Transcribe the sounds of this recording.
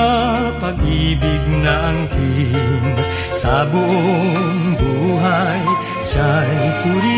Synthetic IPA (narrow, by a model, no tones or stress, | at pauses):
paɡibiɡnaʔaŋki | sabuŋbuɦaj | sajt̪uɾi